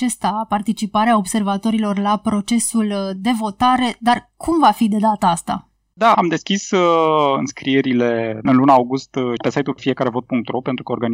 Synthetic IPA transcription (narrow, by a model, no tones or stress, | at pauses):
at͡ʃest̪apart̪it͡ʃipaɾeao̞bse̞rvat̪o̞ɾilo̞rlapɾo̞t͡ʃe̞suld̪e̞vo̞t̪aɾe̞d̪arkʰumvafid̪e̞d̪at̪əast̪a̰ | d̪aamd̪e̞skʲisɨnskɾijeɾile̞ɨnlunaawɡust̪pe̞sajt̪ufije̞kaɾe̞vo̞t̪̚puŋk̚t̪ɾopent̪ɾukəo̞rɾɡan